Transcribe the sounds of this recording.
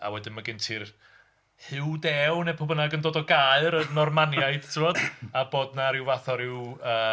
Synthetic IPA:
a̰wɛdɪnmaɡɪntʰɪr | hɨwdɛwnepʰɔbənaɡəndoːdɔɡaɨɾənɔrmanjajd̥tʰɪvɔd̥aboːdnaɾɪwvaθɔɾɪwəː

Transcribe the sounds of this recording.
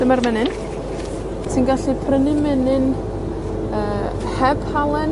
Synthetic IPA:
d̥əmarmɛnɨn | tʰinɡaɬipʰrənɨmɛnɨn | əː | hɛb̥halˠɛn

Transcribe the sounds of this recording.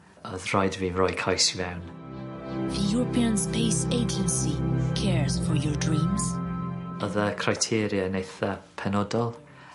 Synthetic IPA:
ɔðrajdvirɔjkʰajsvɛwn | ðəjuɹəpʰĩə̃nspeɪseɪd͡ʒə̃nsikʰɛɹz̥fɔɹjɔɹdɹĩːmz̥ | ɔðəkʰrajtʰiːɾjənejθəpʰɛnɔdɔlˠ

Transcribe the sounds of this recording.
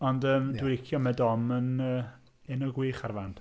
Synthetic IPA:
ɔndəːmdwɪɾɪkʰjɔmɛdɔmənə | ɛnɔɡwiːχarvant

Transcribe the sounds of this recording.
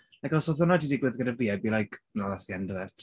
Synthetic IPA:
lajkɔsɔθɔnadidɪɡwɪðɡənəviabilˠajkʰnɔðasiɛndəvɛtʰ

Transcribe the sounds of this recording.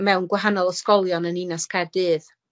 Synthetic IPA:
mɛwnɡwaɦanɔlˠɔskɔlˠjɔnəninaskʰɛdɨːð

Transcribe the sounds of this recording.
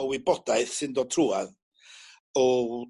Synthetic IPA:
ɔwɪbɔd̥aɨθsɪndɔtʰruað | ɔ

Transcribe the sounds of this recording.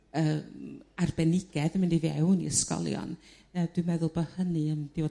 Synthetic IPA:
əmarbɛnɪɡɛðmɪndiviɛwnḭəskɔ̰lˠjɔ̰n | əd̥wɨmɛðʊlˠbəhənɨəmdɪ

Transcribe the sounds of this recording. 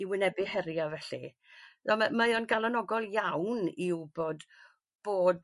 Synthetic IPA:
iwɪnɛbɪhɛɾjavɛɬḭ | ðɔmamajɔnɡalˠanɔɡɔlˠjawnɪwb̥oːd | b̥oːd

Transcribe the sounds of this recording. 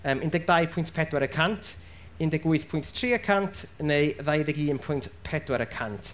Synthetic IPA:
əːmɪndɛɡ̚dajpʰʊjntpʰɛdwɛɾəkʰantʰ | ɪndɛɡwʊɨθpʰʊjnttʰriːəkʰantʰnejðajðɛɡiːmpʰʊjntpʰɛdwɛɾəkʰantʰ

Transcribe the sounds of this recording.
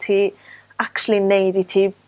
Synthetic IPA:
tʰiː | aktl̩ˠinejditʰiː

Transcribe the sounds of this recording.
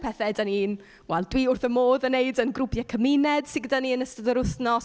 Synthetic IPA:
pʰɛθɛdanin | wɛlˠdwiːʊrθəmoːðəneɨdənɡrʊpʰjakʰəminɛd̥sɪ̃ɡədaniənəstəðəɾʊθnɔs

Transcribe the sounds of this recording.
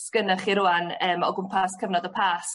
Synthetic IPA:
sɡ̥ənaχiɾʊanəːmɔ̰ɡʊmpʰaskʰəvnɔdəpʰaːs

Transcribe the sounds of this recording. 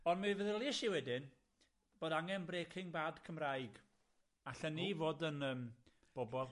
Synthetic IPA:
ɔnmɨvəðəlˠɪʃiwɛdɪn | b̥oːdaŋɛnbreːkʰɪŋbadkʰəmrajɡ | aɬənivoːdənəːm | b̥ɔbɔlˠ

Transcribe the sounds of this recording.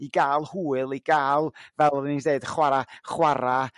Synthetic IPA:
iɡaːlˠhuːɨlˠiɡ̥aːlˠvɛlˠɔðnideɨd̥əχwaɾaχwaɾa

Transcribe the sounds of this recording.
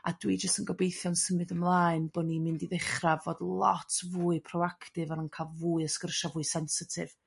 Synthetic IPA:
adwid͡ʒəstənɡɔbejθjɔnsəmɨdəmlˠaːɨnbɔnimɪndiðɪχravoːdlˠɔ̰tʰvuːɨpʰrɔwakʰtɨvanənkʰalˠvuɨəskərʃavuːɨsɛnsɪtʰɪ̰v̥

